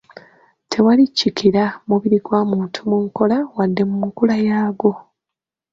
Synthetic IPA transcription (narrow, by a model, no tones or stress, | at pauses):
tʰe̞walicːikiɾamuβiɾiɡwaːmuːntʰumuŋko̞lawadːe̞mumukulajaːɡo̞